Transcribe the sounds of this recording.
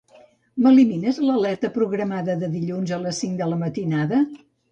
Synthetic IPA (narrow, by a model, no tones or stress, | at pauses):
məliminəzləlɛɾt̪əpɾuɣɾəmaðəðəðiʎunzələsːiŋd̪ələmət̪inaðə